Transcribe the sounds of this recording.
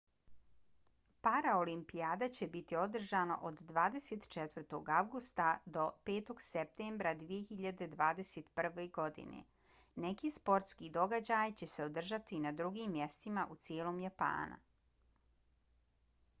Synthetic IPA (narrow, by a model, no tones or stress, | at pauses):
paɾaolimpiaːd̪at͡ɕe̞bit̪io̞d̪r̩ʒano̰ʔod̪ːʋaːd̪e̞set̪t͡ʃet̪ʋər̩t̪o̞ɡaʋɡust̪ad̪o̞pe̞ːt̪o̞ɡsep̚t̪eːmbɾad̪ʋije̞xiʎad̪e̞d̪ʋaːd̪e̞set̪pr̩ʋe̞ɡo̞d̪ḭnḛ | nekiːspo̞ɾt̪skid̪o̞ɡad͡ʑajt͡ɕe̞se̞o̞d̪r̩ʒat̪inad̪ɾuɡiːmːje̞st̪imaʔut̪sjeːlo̞ːmjapa̰ːnṵ